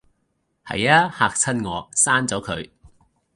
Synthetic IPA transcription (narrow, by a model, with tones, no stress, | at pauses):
hɐ̰˨jaː˧˥haː˧k̚t͡sʰɐ˥nŋɔː˨˧saː˥nt͡sɔː˨˥kʰɵ˨˧ɥ